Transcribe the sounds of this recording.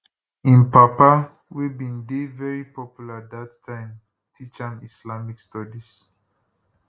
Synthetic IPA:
ĩnpapa | wibĩndevɛɹipɔpjulad̪atːãɪ̃m | tʰit͡ʃãmislamikstɔdis

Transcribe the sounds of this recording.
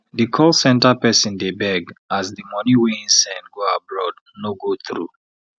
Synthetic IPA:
dikʰɔlsɛ̃ntapɛsĩndebɛɡazðimɔ̃niweĩnsɛ̃nɡoabɹɔd | noɡoθɹṵ

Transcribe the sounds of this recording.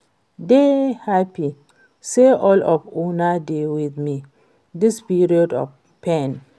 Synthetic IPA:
dehapi | seʔɔlɔvunadewiðmi | dispiɹiɔdɔ̰f | pɛ̃n

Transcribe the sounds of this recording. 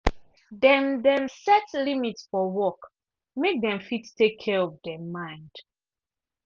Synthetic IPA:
dɛ̃ndɛ̃msɛtlimitsfɔwɔk | mek̚dɛ̃mfittekʰːɛɔvdɛmãɪ̃nd̥

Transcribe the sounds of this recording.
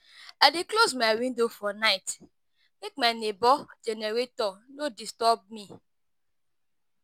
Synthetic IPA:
adeklozmaɪwĩndofɔnaɪt | mek̚maɪnebɔd͡ʒeneɾetɔnodistɔb̚mi

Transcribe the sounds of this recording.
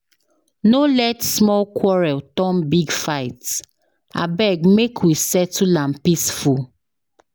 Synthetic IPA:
nolɛtsmɔlkʰwɔɹɛltɔmbiɡfaɪt | a̰bɛɡmekʰwisɛtulãmpisfu

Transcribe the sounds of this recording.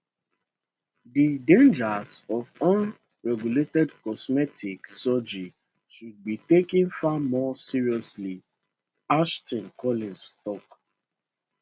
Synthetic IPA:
didẽnd͡ʒazɔvʌ̃n | ɹɛɡjuletɛdkɔsmɛtiksɔd͡ʒi | ʃud̚bitekĩnfamɔsiɹiɔsli | aʃtɔ̃nkʰɔlĩnstɔk

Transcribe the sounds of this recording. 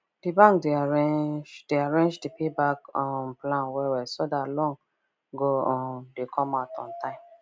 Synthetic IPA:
d̥ibãŋkdeaɹẽnd͡ʒd̥eaɹẽnd͡ʒdipʰebakɔmplãnwɛwɛsodatlɔ̃ŋ | ɡoɔmdekʰɔ̃maʊtɔ̰̃ntãɪ̃m

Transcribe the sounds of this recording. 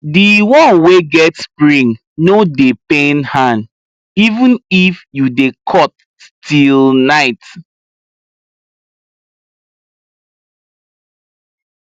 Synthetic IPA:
diwɔ̃nweɡɛtspɹĩŋ | nodepẽnhãn | ivũnifjudekʰɔt̚ | stʰilnaɪt

